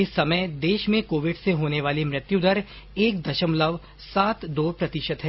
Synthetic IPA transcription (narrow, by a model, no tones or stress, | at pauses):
ɪsɐməjd̪eːʃmẽkoːʋɪɖseɦoːneʋaːlimɾɪt̪jud̪əɾ | eːk̚d̪ɐʃəmləʋ | saːt̪d̪oːpɾɐt̪ɪʃət̪ɦɛː